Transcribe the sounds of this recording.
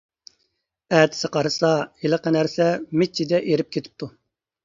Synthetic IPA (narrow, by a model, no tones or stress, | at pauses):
ɛt̪ʰɪ̥sɨqʰɑɾɨsɑelˠəqənæɾsɛmet͡ʃʰːid̪ɛʔeɾɪp̚kʲʰet̪ʰɪ̥p̚t̪ʰu